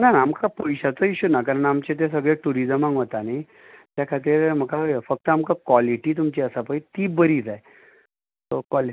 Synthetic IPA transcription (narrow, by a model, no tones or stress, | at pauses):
nanaːmkapəjɕat͡səiɕunakaɾəɳamt͡ɕet̪̬es̬əɡɭeʈuɾid͡zəmãŋʋət̪ani | t̪jakʰat̪̬iːɾm̤əkafək̚t̪əamkakʋɔliʈiːt̪̬umt͡ɕiəsapəjt̪iːbəɾiːd͡zaj | t̪okali